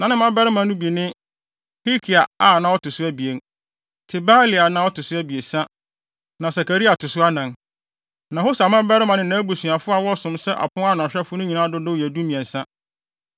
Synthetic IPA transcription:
nã˨nɪ̃˦mã˦bɛ˦ɾɪ˦mã˨˦nʊ̃˦bi˨nɪ̃˦ | hi˦kʰi˨a˨a˨nã˦ɔ˦tʊ˨sʊ˦æ˦bi˨e˦n | tʰɪ˨baː˦li˨a˨nã˦wɔ˦tʊ˨sʊ˦æ˦bi˨e˨sã˦ | nã˨sa˨kæ˨ɾi˦a˨tʰʊ˨sʊ˦a˦nã˨ŋ | nã˨ho˦sa˨mã˦bɛ˦ɾɪ˦mã˨nɪ̃˦nã˨˦bu˨sũ˨a˨fʊ˦a˨wɔ˦˨sʊ̃˨msɛ˦ʔa̰˨pʰʊ̃˦a˦ñ˨ɕᶣɛ˦fʊ˦nʊ̃˦ɲĩ˨nã˦dʊ˦dʊ˦˨jɛ˨du˦mĩ˨ɛ̃˨n̩˨sã˦

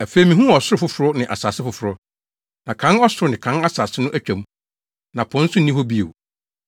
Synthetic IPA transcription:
æ˨fe˨i˨mĩ˨ɦũ˦ɔ˨sʊ˦ɾʊ˨fʊ˦fʊ˨ɾʊ˦nɪ̃˨ʔa̰˨saː˨sɪ˦fʊ˨fʊ˨ɾʊ˦ | nã˨kʰã˨˦nɔ˦sʊ˨ɾʊ˦nɪ̃˨kʰã˦na˦saː˨sɪ˦nʊ̃˦ʔæ˦t͡ɕᶣa˨m̃˦ | nã˨pʰʊ̃˨˦n̩˦sʊ˦nĩ˦hɔ˦bi˦ḛ˨

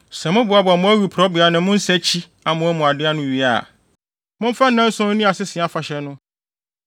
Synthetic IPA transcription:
sɛ˨mʊ̃˦bʊ˨˦a˦bʊ˨a˨mʊ̃˦æ˦ɾu˨pʰɾɔ˦bɪ˨a˨nʊ̃˨˦mʊ̃˦n̩˦sɛ˦t͡ɕʰi˦ | a˨mʊ̃˦æ˦mũ˨a˨dɪ˦a˦nʊ̃˦ɥi˦a̰˨ | mʊ̃˦m̩˦fã˦n˦nã˦n̩˦sʊ̃˦n̩˦nĩ˦a˨sɪ˦sɪ˨a˨fa˨ɕɛ˦nʊ̃˦

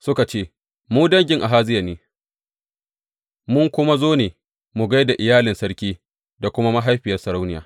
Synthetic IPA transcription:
sʊ˦ka˨t͡ʃeː˦ | muː˦dɐ˦ŋɡʲɪ˦ŋʔa˨ɦaː˦zɪ˦ja˨neː˦ | mʊ˦ŋkʷʊ˦ma˦zoː˦neː˨ | mʊ˨ɡa˦jda˨ʔɪ˨jaː˦lɪ˨nsɐ˦ɽkʲiː˦ | da˨kʷʊ˦ma˦ma˦ɦa˦jɸɪ˨jɐ˦rsɐ˨ɽa˦wnɪ˦ja̰ː˨

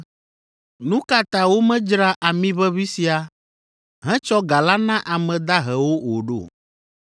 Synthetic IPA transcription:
nũ˦ka˨t̪a˨wo˦mɛ̃˦d͡ʒɾa˦ʔa˨mĩ˦βɛ˦βi˦si˨a˨ | ɦɛ̃˦t͡ʃɔ˦ɡa˨la˦nã˦ʔa˨mɛ̃˨d̪a˦ɦɛ˨wo˦wo˨ɖo̰˦˨

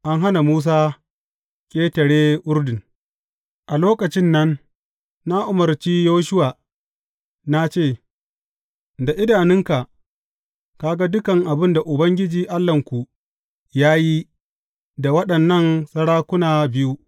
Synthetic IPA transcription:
ʔa˦ŋɦa˦na˨muː˦s̬aː˦ | kʲʼeː˦tɐ˨ɽeː˦ʔʊ˦ɾdɪ˨ŋ | ʔa˨loː˦kɐ˨t͡ʃɪ˦nːɐ˦nː | a˦ʔʊ˨mɐ˨rt͡ʃiː˦joː˦ʃʊ˦waː˨ | na˦t͡ʃeː˦˨ | da˨ʔɪ˦daː˨nɪ˦ŋka˨ʔ | ka˦ɡa˦dʊ˦kɐ˨ŋʔa˨bɪ˦nda˨ʔʊ˨bɐ˦ŋɡʲɪ˦d͡ʒiː˨ʔa˦lːɐ˨ŋkʷu˨ | jaː˦ji˦ | da˨wɐ˦ɗɐ˨nːɐ˦˨nsɐ˦ɽaː˦kʷʊ˦naː˨bɪ˦ju˦

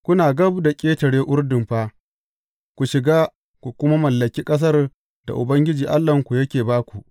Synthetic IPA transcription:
kʷʊ˦naː˨ɡɐ˦bda˨kʲʼeː˦tɐ˨ɽeː˦ʔʊ˦rdɪ˨mɸaː˦ | kʷu˨ʃɪ˨ɡaː˦ | kʷu˨kʷʊ˦ma˦mɐ˨lːɐ˨kʲiː˦kʼɐ˦s̬ɐ˦r | d̥a̰˨ʔʊ̰˨bɐ˦ŋɡʲɪ˦d͡ʒiː˨ʔa˦lːɐ˨ŋkʷu˨jɐ˦kʲeː˨baː˦kʷu˨ʔ

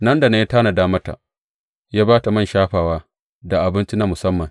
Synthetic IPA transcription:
nɐ˦nda˨ne˦ta˦na˨daː˦mɐ˦ta̰˨ | jaː˦baː˦ta˨mɐ˦˨nʃaː˦ɸaː˨waː˦ | da˨ʔa˨bɪ˦nt͡ʃi˦na˦mʊ˨sɐ˦mːɐ˨ŋ

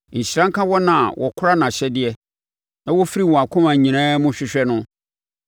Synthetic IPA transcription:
ɲ̩˨ɕɾã˦ŋ̩˦kã˦wɔ˦nã˨wʔɔ˨kʰʊ˦ɾa˦nã˨ɕɛ˦dɪ˦ɛ˦ | nã˦wɔ˦fi˦ɾi˦˨wɔ̃˨a˨kʰʊ̃˦mã˨ɲĩ˨nã˦mʊ̃˦ɕᶣɪ˦ɕᶣɛ˦nʊ̃˦

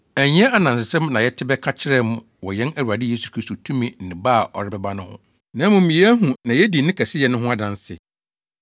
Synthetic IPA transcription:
æ˨ɲ˦ɛ̃˦a˨nã˨sɪ˨sɛ̃˦mnã˨jɛ˦tʰɪ˦bɛ˦kʰa˦t͡ɕʰɪ˦ɾɛ˦mʊ̃˨ | wɔ˨jɛ̃˦næ˦˨wu˨a˨dɪ˦je˦su˨kʰɾi˦sto˨tʰũ˦mĩ˦n̩˨nɪ̃˨baː˦˨ʔɔ̰˨ɾɪ˦bɛ˦ba˦nʊ̃˦hʊ̰̃˦ | nã˨˦mʊ̃˨m̩˨mĩ˨˦ɦũ˨nã˨jɛ˦di˨nɪ̃˦kʰæ˨sɪ˦jɛ˨nʊ̃˦ɦʊ̃˦a˦dã˨n˦sɪ̰˨

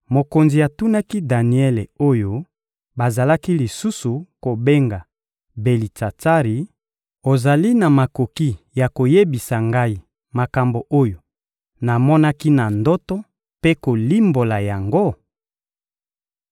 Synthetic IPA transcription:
mo˨ko˨nzi˨a˨tu˦na˦ki˦da˨ni˨ɛ˦le˨o˦jo˦ | ba˨za˨la˦ki˦li˨su˦su˨ko˨be˦ŋɡa˨ | be˨li˨ta˨ta˦ʁi˨ | o˨za˨li˦na˨ma˨ko˨ki˦ | ja˨ko˨je˦bi˨sa˨ŋɡa˦i˦ | ma˨ka˨mbo˨ʔo˦jo˨ | na˨mɔ˦na˦ki˦na˨ndɔ˦tɔ˦ | pe˦ko˨li˦mbo˨la˨ja˨ŋɡo˦

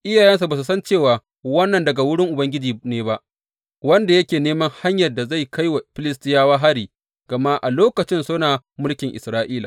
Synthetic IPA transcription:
ʔɪ˦jaː˨jɛ˦ns̬u˨baː˨s̬u˨sɐ˦nt͡ʃeː˦˨waː˨ | wɐ˦nːɐ˨ndɐ˨ɡa˨wʊ˦ɽɪ˦ŋʔʊ˨bɐ˦ŋɡʲɪ˦d͡ʒiː˨neː˦ba˦ʔ | wɐ˦nda˨jɐ˦kʲeː˨neː˦mɐ˦ŋha˦ɲjɐ˨rda˨za˦˨jkʰa˦jwa˨ɸɪ˦lɪ˦stɪ˦jaː˦waː˦ɦa˦ɽiː˨ | ɡ̥ɐ˨ma˦ʔa˨loː˦kɐ˨t͡ʃɪ˦nsoː˦naː˨ | mʊ˦lkʲɪ˨ŋʔɪ˨sɾaː˦ʔiː˦laː˨

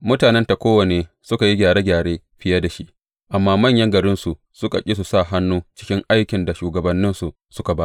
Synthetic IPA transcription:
mʊ˦taː˨nɛ˦nta˨kʷoː˦wɐ˨neː˦ | sʊ˦ka˨ji˦ɡʲaː˨ɽeː˦ɡʲaː˨ɽeː˦ | ɸɪ˦ja˦da˨ʃi˦ʔ | ʔa˨mːaː˦mɐ˦˨ɲjɐ˦ŋɡɐ˨ɾɪ˦nsu˨ʔ | sʊ˦ka̰˨kʲʼi˦s̬u˨sa˦˨ɦa˦nːuː˦t͡ʃɪ̥˦kʲɪ˦ŋʔa˦jkʲɪ˨nda˨ʃuː˨ɡɐ˨bɐ˦nːɪ˦nsu˨ʔ | sʊ˦ka˨baː˦ʔ

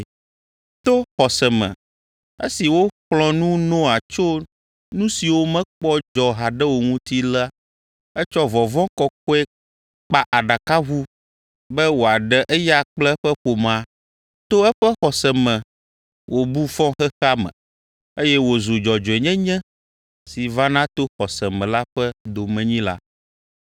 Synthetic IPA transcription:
t̪o˦xɔ˨sɛ˨mɛ̰̃˨ | ḛ˦si˨wo˦k͡plɔ̃˨nũ˦nɔ̃˦a˨t͡ʃo˦ | nũ˦si˨wo˦mɛ̃˦k͡pɔ˦d͡ʒɔ˨ɦa˨ɖɛ˦wo˨ŋũ˦t̪i˦la˦ | ɛ˦t͡ʃɔ˦vɔ˨vɔ̃˦kɔ˦k̚ɔ˦ɛ˦ | k͡pa˨ʔa˨ɖa˨ka˦ɣu˦ | bɛ˦wo˨a˨ɖɛ˨ʔɛ˦ja˦k͡plɛ˦ɸɛ˦ɸo˨mã˨ | t̪o˦ɛ˦ɸɛ˦xɔ˨sɛ˨mɛ̃˨ | wʔo˨bu˦fɔ̃˦xɛ˦xa˦mɛ̰̃˨ | e˦jɛ˦wo˨zo˨d͡ʒɔ˨d͡ʒɔ˨ɛ˨ɲɛ̃˦ɲɛ̃˦ | si˨va˦nã˦t̪o˦xɔ˨sɛ˨mɛ̃˨la˦ɸɛ˦d̪o˨mɛ̃˨ɲĩ˦la̰˦

